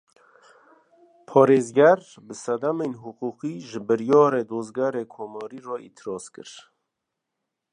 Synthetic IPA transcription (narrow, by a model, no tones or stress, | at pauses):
pʰɔːɾeːzɡɛɾ | bɨsɛd̪amenɦuquːqiːʒɨbɨɾjɑːɾeːd̪oːzɡɛɾeːkʰoːmɑːɾiːrɔːʔḭːt̪ʰɨɾɑːskɨ̰ɾ